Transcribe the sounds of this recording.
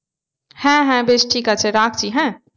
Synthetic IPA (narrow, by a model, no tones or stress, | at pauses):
hɛ̃ːɦɛ̃beːt͡ʃʈʰiːkat͡ʃʰeɾaːkʰd͡ʒiːɦɛ̃ː